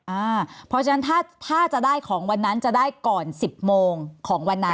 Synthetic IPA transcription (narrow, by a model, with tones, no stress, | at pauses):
ʔaː˧˩pʰɔ˦˥t͡ɕʰa˧na˦˥nt̪ʰaː˥˩t̪ʰaː˥˩t͡ɕa˨˩daː˥˩jkʰɔː˩˦ŋwa˧nːa˦˥nt͡ɕa˨˩daː˥˩jkɔː˨˩nsi˨˩p̚moː˧ŋkʰɔː˩˦ŋwa˧nːa˦˥